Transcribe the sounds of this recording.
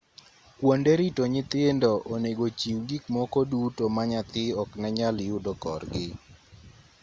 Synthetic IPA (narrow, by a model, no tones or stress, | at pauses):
kwondeɾitoɲɪt̪ɪndɔʔoneɡot͡ʃiwɡikmɔkodutomaɲat̪ɪɔknɛɲalɪudɔkɔ̰rɡɪ